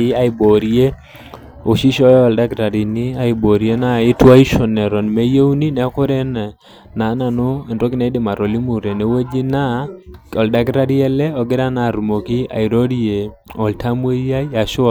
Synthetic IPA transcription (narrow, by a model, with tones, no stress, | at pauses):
ɪ˦a˦ɪ˨bo˨ɾie˦ | o˨ʃi˦ʃɔ˦jɔ˨lda˦ɡɾa˨di˨ni˦a˦ɪ˨bo˨ɾje˦na˦˨ɪ˦twa˦ɪ˦ʃɔ˨nɛ˨ɾɔ˨nme˦je˦wu˦ni˦nɛ˨˦ɔ˦kɔ˦ɾɛ˦n˨ | na˨˦na˨no˦ɛ˨ntɔ˦ɡɪ˦na˨ɪ˦dɪ˨ma˨ɾɔ˨li˦mu˨ɾɛ˨ne˨we˦d͡ʒi˦na˦ɔ˨lda˨˦ɡɾa˦ɾi˦ɛ˦lɛ˦ɔ˨ɡɪ˦ɾa˦na˨ɾmo˨ki˦a̰˨ɪ˨ɾo˦ɾi˦e˨ | ɔ˨ltʰa˦mwe˦ja˦ja˨ʃɔ˨